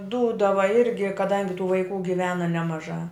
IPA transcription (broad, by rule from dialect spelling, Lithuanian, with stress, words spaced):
ˈduːdɐʋɐ ˈɪrʲɡʲɪ kɐˈdɐŋʲɡʲɪ tuː ʋɐɪˈkuː ɡʲɪˈʋʲæːnɐ nʲɛmɐˈʒɑː